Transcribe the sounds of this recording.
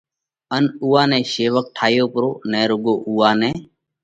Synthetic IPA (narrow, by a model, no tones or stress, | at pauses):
ənuːãːnɛ̃ːʃeːʋək̚ʈʰaːjoːpɾoːnɛːɾʊɡoːʔuːaːnɛ̃ː